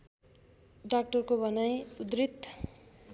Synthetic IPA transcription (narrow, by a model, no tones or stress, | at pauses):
ɖak̚ʈʌrkobʱʌnajud̪rit̪ː